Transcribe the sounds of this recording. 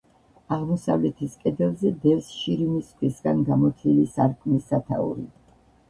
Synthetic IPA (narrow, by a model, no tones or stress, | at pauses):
aʁmɔsa̰vlɛt̪ʰiskʼɛd̪ɛlˠzɛd̪ɛvsʃiɾimiskʰwisɡanɡamɔt̪ʰilisaɾkʰmisːat̪ʰa̰ṵɾḭ